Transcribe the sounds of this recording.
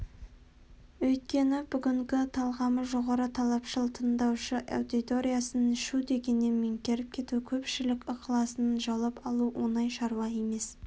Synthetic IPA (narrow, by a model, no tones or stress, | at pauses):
wɵjt̪̚kʲe̞nɪbʏɡʲɪŋɡʲɪt̪ʰɑlˠʁɑməʒo̞ʁɑɾət̪ʰɑlˠɑpʃəlˠt̪ʰənd̪ɑwʃəʔa̰wd̪it̪o̞ɾʲijasənɪʃud̪e̞ɡʲe̞nːe̞nmɪŋkʲe̞ɾɪp̚kʲʰe̞t̪ukʲʰɵpʃɪlɪkʲəqʰlˠɑsənʒɑlˠɑpɑlˠuwo̞nɑjʃɑɾuɑe̞me̞s